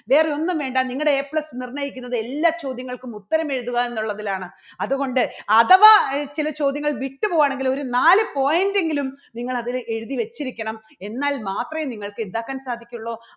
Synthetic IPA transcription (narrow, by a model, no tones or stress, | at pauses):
ʋe̞ːrio̞nːɐmʋe̞ːɳɖaniŋːɐɭɽeeːpɭesnirnɐjikʲːunːɐðɨe̞lːaːt͡ɕo̞ːd̪jɐŋːɐɭkumut̪ːɐɾɐme̞ɻuðuɣɐe̞nːuɭːɐðilaːɳɨ | ɐðuɣo̞ɳɖɨɐðɐʋɐt͡ɕilɐt͡ɕo̞ːd̪jɐŋːɐɭʋiʈːɨpoːwaːɳe̞ŋɡilo̞ɾunaːlɨpo̞ːjɐnde̞ŋɡilumniŋːɐɭɐðile̞ɻuðiʋe̞t͡ɕːiɾikʲːɐɳɐm | e̞nːaːlmaːt̪rɐjeniŋːɐɭkɨend̪aːkːaːnsaːd̪ʱikʲːɐuɭːo̞ː